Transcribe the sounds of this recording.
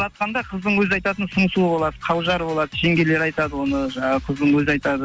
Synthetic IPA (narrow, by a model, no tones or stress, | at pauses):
ɑt̪̚qɑnd̪ɑqʰəzd̪əɴwɵzɑjt̪ɑt̪ənsʊɴsubo̞lˠɑd̪əqʰɑlˠʒɑɾbo̞lˠɑd̪əʒe̞ŋɡʲe̞le̞ɾɑjt̪ɑd̪əwo̞nəqʰəzd̪əɴwɵzɑjt̪ɑd̪ə